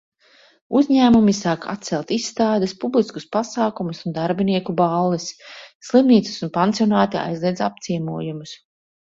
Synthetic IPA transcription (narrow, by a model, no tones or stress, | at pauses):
uzʲɲæːmumisaːka̰t̪t̪sɛlˠt̪isːt̪aːd̪ɛspublˠisku̥spasaːkumusund̪aɾbiniɛkubalˠːisːlˠimniːt̪su̥sunpant̪ijɔnaːt̪ia̰jzlˠiɛd̪zap̚t̪siɛmuɔjumus